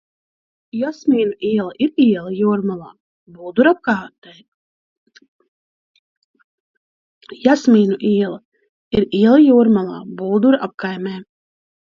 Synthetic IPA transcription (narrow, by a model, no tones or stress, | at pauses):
jɔsmʲiːnuʔiɛlˠɐʔiɾiɛlˠajuɔɾmalˠaː | buːd̪uɾap̚kaːɾt̪ɛː | jasmiːnuʔiɛlˠɐ | iɾiɛlˠajuːɾmalˠa̰ːbuːd̪uɾʔap̚kajmɛː